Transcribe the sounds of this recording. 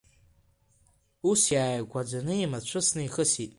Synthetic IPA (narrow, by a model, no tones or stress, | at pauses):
usjaːjɡʷʼad͡ʒʷanɨimat͡ɕʷʰɨsnɨiχəsitʼ